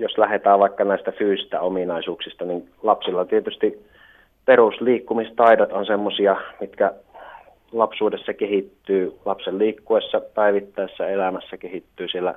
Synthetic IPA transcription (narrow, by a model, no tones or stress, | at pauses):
joslæhet̪æːʋʋɑˑikːɑnæˑist̪æfyːsist̪æominɑˑisuːksist̪ɑnin | lɑpsilːɑt̪iet̪yst̪i | perusliːkːumist̪ɑˑidot̪onsemːosiɑmit̪kæ | lɑpsuːdesːɑkehit̪ːyːlɑpselliːkːuesːɑpæˑiʋit̪ːæˑesːæelæmæsːækehit̪ːyːsielːæ̰